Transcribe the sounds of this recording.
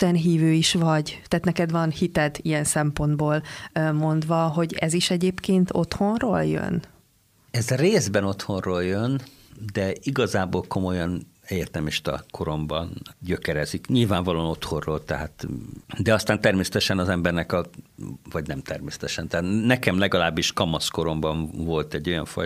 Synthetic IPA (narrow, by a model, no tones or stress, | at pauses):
t̪ɛnɦiːvøːiʃʋɒɟt̪ɛaːt̪nɛkɛd̪vɒnhit̪ɛd̪ijɛnsɛmpo̞nd̪boːlmo̞nd̪vɒɦo̞ɟɛ̰ziʃɛɟeːpkeːnt̪o̞̰t̪ho̞nroːljø̰n | ɛzreːzbɛno̞t̪ho̞nroːljøn | d̪ɛiɡɒzaːboːlkʰo̞mo̞jɒn | ɛert̪ɛmiʃt̪ɒ̰kʰo̞ɾo̞mbɒnɟø̞kɛɾɛzikɲilvaːɱvɒlono̞t̪ho̞rroːlt̪ɛɦaːt̪d̪ɛɒst̪aːnt̪ɛrmeːsɛt̪ɛʃɛnɒzɛmbɛrnɛkɒvɒɟnɛmt̪ɛrmeːsɛ̥t̪ɛʃɛnt̪ɛaːt̪nɛkɛmlɛɡɒlaːbːiʃkɒmɒsko̞ɾo̞mbɒɱvo̞lt̪ɛɟːo̞jɒ̰ɱfɒ̰j